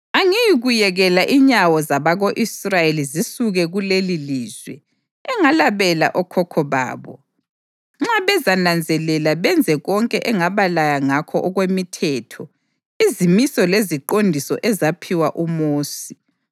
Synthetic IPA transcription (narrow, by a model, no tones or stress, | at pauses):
aŋijiɣujɛɣɛlaʔiɲawɔzaβaɣoʔisrajelizisuɣɛɣuleliliːz̥wɛ̰ | ɛŋalaβɛla̰ʔɔkʰɔkʰɔβa̰ːβɔ̰ | ŋ͡ǁaβɛzanand͡zʱɛlɛlaβɛnd͡zʱɛɣɔŋkʼɛʔɛŋaβalajaŋakʰɔ̰ʔɔɣwemitʰɛtʰɔ | izimisɔleziǃondʱisɔ̰ʔɛzapʰiwaʔumoːsi